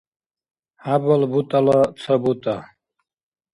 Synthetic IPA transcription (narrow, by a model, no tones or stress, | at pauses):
habɔlbut̪ʼalɔt̪t͡s̪ʰɔbut̪ʼa